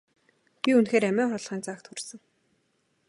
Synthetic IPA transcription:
pʲiunxeːɾæmæːχɔɮʁiːnt͡saːkt̪ʰxursɘ̆ŋ

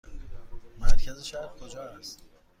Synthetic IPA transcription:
mæɾcʰæziʃæɾkʰod͡ʒɒːæst̪

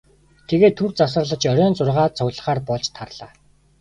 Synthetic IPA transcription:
t̪ʰeɣeːt̪ʰːurt͡sas̬ə̆r̆ɮə̆t͡ɕœɾʲœːnt͡sʊrʁaːt̪t͡sʰɔwʲɮə̆χaːrpɔɮt͡ɕt̪ʰarɮaː

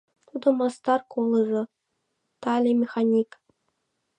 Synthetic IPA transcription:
t̪ud̪ɤ̆mɑst̪ɑrkolˠɤ̆ʐɤ̆ | t̪ɑlʲemʲexanʲik

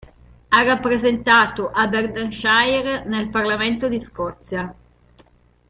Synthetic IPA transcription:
arːapːɾezent̪aːt̪oʔaberd̪anʃajrnelparlament̪od̪iskɔt̪sːja

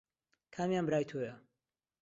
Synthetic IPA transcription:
kʰaːmjaːnbɨɾaːjt̪ʰoːjɐ

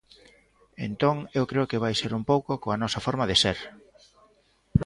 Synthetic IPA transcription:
ḛnt̪oŋewkɾeʊkɪβajseɾumpowkokoɐnɔsɐfɔɾmɐðeseɾ

